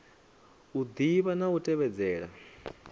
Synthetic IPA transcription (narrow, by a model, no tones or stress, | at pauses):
ud̪iβanautʼɛβɛd͡zɛːɺa̰